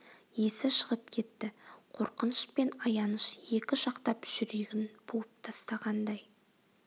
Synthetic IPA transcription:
je̞sɪʃəʁəp̚kʲʰe̞t̪ːɪqʰo̞ɾqənəʃpe̞nɑjɑnəʃje̞kʲɪʃɑqt̪ɑpʒ̥ʏɾe̞ɡʲɪnbulˠəp̚t̪ʰɑst̪ɑʁɑnd̪ɑj

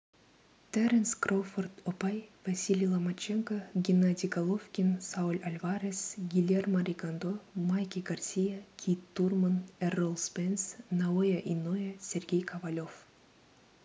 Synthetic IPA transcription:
t̪eɾʲenskrofort̪opajvɐsʲilʲilˠɐmɐt͡ɕeŋkoɡʲinad̪ʲiɡalˠofkʲinsaulʲɐlʲvaɾʲesɡʲilʲermɐɾʲiɡand̪omajkʲiɡɐrsʲijakʲʰit̪ːurmɐnɛrolˠspensnaojɐʔinojesʲerɡʲejkʰɐvalʲof

